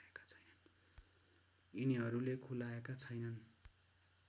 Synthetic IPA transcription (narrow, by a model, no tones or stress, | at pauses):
ekḁt͡sʰʌjnʌn | iniɦʌɾulekʰulaekat͡sʰʌjnʌn